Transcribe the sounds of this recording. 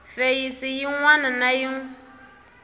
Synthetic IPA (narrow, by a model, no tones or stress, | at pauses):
fejisijiŋwananajiŋ